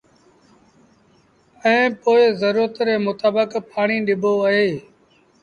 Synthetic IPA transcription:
ɛ̃ːpoːɪzəɾuːɾət̪ɾeːmʊt̪aːbəkpʰaːɳ̃iːɗɪbʱoːəɦeː

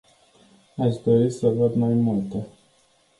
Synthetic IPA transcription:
aʃd̪o̞ɾisəvəd̪majmult̪e

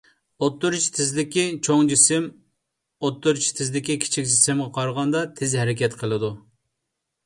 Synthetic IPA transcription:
ot̪ːuɾt͡ʃʰi̥t̪ʰɪzlɪkʲit͡ʃʰoŋd͡ʒisɪm | ot̪ːuɾt͡ʃʰi̥t̪ʰɪzd̪ɪkʲikʲʰi̥t͡ʃʰikʲd͡ʒisɪmʁɑqʰɑɾʁɑnd̪ɑt̪ʰɪzɦɛɾɪkʲɛt̪qʰəlˠɨd̪u

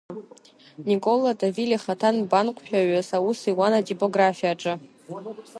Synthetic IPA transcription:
nikʼo̞latʼaviliχatʰanbanqʷʰʼʃᶣaɥasawusiwanatʼipʼo̞ɡrafijaʈ͡ʂʼɨ

